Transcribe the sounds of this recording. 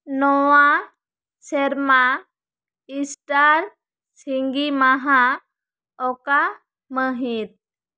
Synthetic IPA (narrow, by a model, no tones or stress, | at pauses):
nɔwã | seɾma | isʈaɾ | siŋɡimaɦã | ɔka | məɦit̪̚